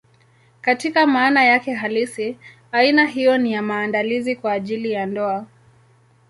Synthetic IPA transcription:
katikamaːnajakɛɦalisi | ainaɦijɔnijamaːndalizikwaːʄilijandɔa

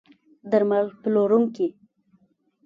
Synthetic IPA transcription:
d̪aɾmalploɾuŋki

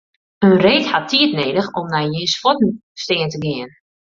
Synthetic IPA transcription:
ənreːkhatʰiətneːdəxɔmnajjiəsfɔtn̩stɪəntəɡɪən

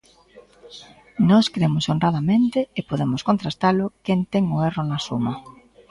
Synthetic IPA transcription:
nɔskɾemʊsonraðamẽnt̪eːpoðemoskont̪ɾast̪alʊkent̪eŋoeronasuma

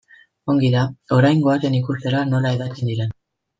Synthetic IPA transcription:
o̞ŋɡiɾao̞ɾajŋɡo̞aɾe̞nikust̪e̞ɾano̞laeðakind̪iɾen

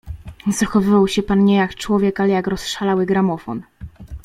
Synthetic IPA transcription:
z̥axɔvɘvawɕɛpanɲɛjakt͡ʂwɔvʲjɛkalɛjakɾɔsʂalawɘɡɾamɔfɔn

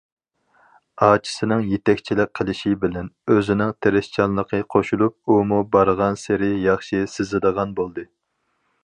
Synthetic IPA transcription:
ɑːt͡ʃʰi̥sɨnɨŋjet̪ɛkʲt͡ʃʰilɪk̚ʲqʰəlˠɪʃibɪlɛnøzɪnɪŋt̪ʰeɾɪʃt͡ʃʰɑnlˠəqʰəqʰoʃulˠup̚umubɑɾʁɑnsɪɾɪjɑχʃisɪzɨd̪əʁɑnbolˠd̪ɨ

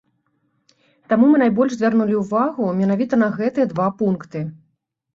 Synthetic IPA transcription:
t̪amumɨnajbɔlʲʐzʲvʲarnulʲiwvaɣumʲɛnavʲit̪ɐnɐɣɛt̪ɨjɐd̪vapunkt̪ɨ

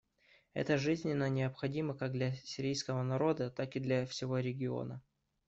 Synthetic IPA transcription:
ɛ̰t̪əʐɨzʲnʲɪnːənʲɪəpxɐdʲiməkaɡ̚d̪lʲɐsʲɪɾʲijskəvənɐɾo̞d̪ət̪akɨd̪lʲɐfsʲɪvo̞ɾʲɪɡʲɪo̰nə

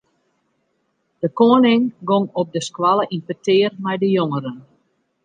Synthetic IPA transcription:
d̥əkoənɪŋɡoŋɔp̚dəskwaləʔinpətʰɪːərmɛjdəjoŋəɾən

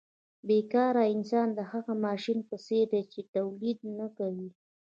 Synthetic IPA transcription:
bekɑɾaɪnsɑnd̪əhaɣamɑʃinpəseɾd̪et͡ʃet̪awlid̪̚nakawi

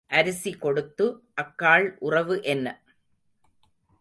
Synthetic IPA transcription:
ʔɐɾɯsikɔɽɯt̪ːɯʔɐkːaːɭʔʊrɐʋɯʔɛnːɐ

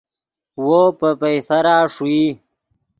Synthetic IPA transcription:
wopəpejfɐɾaːʂui

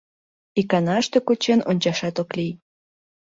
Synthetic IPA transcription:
ikɑnɑʃt̪e̽kot͡ɕenonʲt͡ɕɑʃɑt̪oklij

